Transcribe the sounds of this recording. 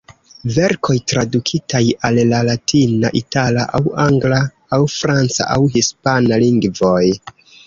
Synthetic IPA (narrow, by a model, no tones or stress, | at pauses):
ve̞ɾkʰo̞jtɾadukʰitʰajalːalatʰinaʔitalaʔawaŋɡlaː | wfɾant͡sa̰ʔa̰wɦispanaliŋɡvo̞j